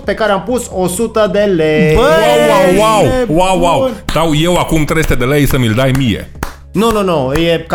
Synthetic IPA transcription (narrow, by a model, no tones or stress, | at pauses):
pe̞kaɾeampusosut̪əd̪elejbawawwawwawːawd̪awje̞wakumt̪ɾesu̥t̪ed̪e̞lejsəmild̪ajmijḛ | nononojek